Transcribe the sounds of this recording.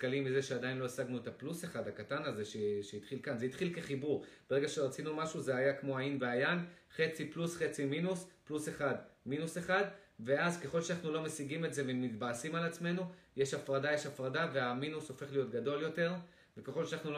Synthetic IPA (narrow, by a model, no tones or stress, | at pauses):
kalimːize̞ʃeadainlo̞esaɡnuetapluseχadakatanaze̞ʃeʃeit̪χilkanzeit̪χilke̞χibuʁb̥eeɡaʃeʁat͡sinumaʃuzeajakmo̞ainveajan | χe̞t͡siplusχe̞t͡siminuspluseχadminuse̞χadve̞azke̞χo̞lʃeanaχnulo̞mesiɡimetze̞vemitbaːsimalat͡sme̞nuje̞ʃafʁadaje̞ʃafʁadave̞aminuso̞fe̞χlijo̞tɡado̞ljo̞te̞ʁ | vekeχo̞lʃeanaχnul